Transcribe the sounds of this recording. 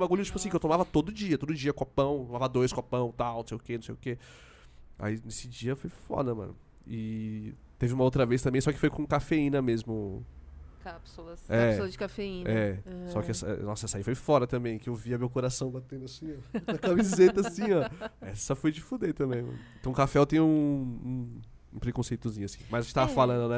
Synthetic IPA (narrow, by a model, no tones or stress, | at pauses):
maɡulĩt͡ʃipasĩkɪewt̪õmavɐt̪od̪ʊd͡ʒiɐt̪od̪ʊd͡ʒiɐkopɐ̃w̃t̪õmavɐd̪ojskopɐ̃w̃nt̪aw̃nõsejʊkenũsejʊke | a̰inesɪd͡ʒiɐfojfɔ̰d̪ɐmɐ̰̃nʊ | ɪ | t̪evɪũmɐowt̪̬ɾɐvejst̪ɐ̃mbẽj̃sɔkɪ̥fojkõkafeĩnɐmezmʊ | kape̥soɐsɛsoɐd͡ʒɪkafeĩɛsɔkɪɛsɐɛ̰nɔsɐɛsaifojfɔɾɐt̪ɐ̃mbẽj̃kɪewviɐmewkoɾasɐ̃w̃bat̪ẽnd̪ʊasĩɔɐkamizet̪ɐasĩɔɛssɔfojd͡ʒɪfud̪et̪ɐ̃bẽj̃mɐ̰̃nʊẽt̪õkafɛt̪ẽj̃ũũ | ũpɾekõsejt̪ʊzĩɲʊasĩmɐzt̪avɐfalɐ̃nd̪ʊnɛ